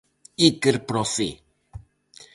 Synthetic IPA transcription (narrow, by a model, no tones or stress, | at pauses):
ikəɾpɾɔfi